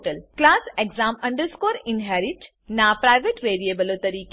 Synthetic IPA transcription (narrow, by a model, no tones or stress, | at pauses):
ʈəlklaːseɡzãːmɐ̃ɳɖəɾskoːɾɪ̃nɦɛːɾɪʈ | naːpɾaːɪʋeʈʋeːɾieːbəlot̪ɐɾiːk